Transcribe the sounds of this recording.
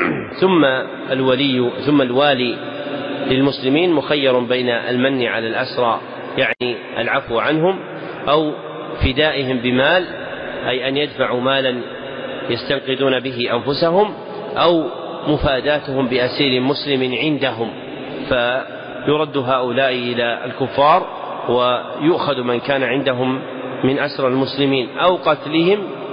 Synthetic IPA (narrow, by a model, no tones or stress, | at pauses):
θʊmːa | alwalɪjːθʊmːalwaːliː | lɪlmʊslɪmiːnmʊxajːɑɾˤbajnaʔa̰lmanːɪʕalalʔasɾˤɑː | jaʕniː | ʔa̰lʕafwʕanɦʊm | ʔaw | fɪd̪aːʔɪɦɪmbɪmaːl | ʔajʔanjad̪faʕuːmaːlan | jast̪aŋqɨd̪uːnabɪɦɪʔanfʊsaɦʊm | ʔaw | mʊfaːd̪aːt̪ʊhʊmbɪʔasiːlɪmʊslɪmɪnʕɪnd̪aɦʊm | fa | jʊɾˤɑd̪ːʊɦaːʔʊlaːʔɪʔɪlaːa̰lkʊfːɑːɾˤ | wa | jʊʔxaðmankaːnaʕɪnd̪aɦʊmː | ɪnʔasɾˤalmʊslɪmiːnʔawqɑt̪lɪɦɪm